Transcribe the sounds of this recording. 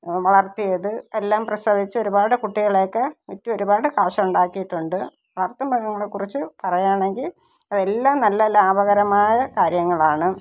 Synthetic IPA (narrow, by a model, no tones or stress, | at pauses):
ʋɐɭɐrt̪ijɐðɨe̞lːaːmprɐst̪ɐʋit͡ɕːɨoɾubaːɽɨkuʈːiɣɐɭe̞ːkːemutːuo̞ɾubaːɽɨkaːʂɐuɳɖaːkːijiʈːuɳɖɨ | ʋɐɭɐrt̪ɐmbʱɐɣɐŋːɐɭekːurit͡ɕːɨpɐrɐjaːɳe̞ŋɡil | ɐðe̞lːaːmnɐlːɐlaːbɐɣɐɾɐmaːjɐkaːɾjɐŋːɐɭaːɳɨ